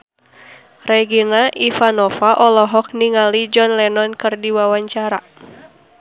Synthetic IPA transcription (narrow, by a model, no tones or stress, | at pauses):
rɛɡinaʔifanɔfaʔɔlɔɦɔk̚niŋalid͡ʒɔnlɛnɔnkɨrdiwawaɲt͡ʃaɾa